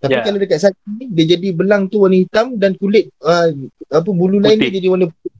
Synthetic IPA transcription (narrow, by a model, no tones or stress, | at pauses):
t̪apikaladəkat̪̚satinidad͡ʒadibəlaŋt̪uwanihit̪amdankulɪt̪̚əap̬əbululaɪnid͡ʒadiwanip